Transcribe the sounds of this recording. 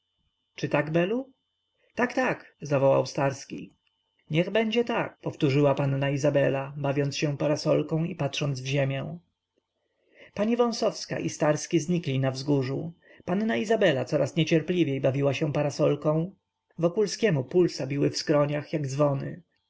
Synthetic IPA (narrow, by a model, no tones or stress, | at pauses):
t͡ʂɘt̪aɡbɛlu | t̪akt̪akzavɔwa̰wst̪aɾskʲḭ | ɲɛɣbɛɲd͡ʑɛt̪akpɔft̪uʐɘwapanːaizabɛlabavʲɔnt̪sɕɛpaɾasɔlkɔ̃w̃ipatʂɔnd̪zvʑemʲjɛ̃w̃ | paɲivɔ̃w̃sɔfska̰ʔist̪aɾskʲizɲiklʲinavzɡuʐu | pannaizabɛlat̪sɔɾʔasɲɛt͡ɕɛɾplʲivʲjejbavʲiwaɕɛ̃paɾasɔlkɔ̃w̃ | vɔkulskʲɛmupulsabʲiwɘfskɾɔɲaxjaɡd̪zvɔnɘ̰